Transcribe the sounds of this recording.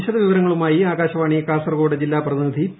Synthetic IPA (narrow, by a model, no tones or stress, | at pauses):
ɕɐðɐʋiʋɐɾɐŋːɐɭumaːjiaːɡaːɕɐʋaːɳijɐkaːsɐrɡoːɽɐd͡ʑilːaːprɐðinid̪ʱi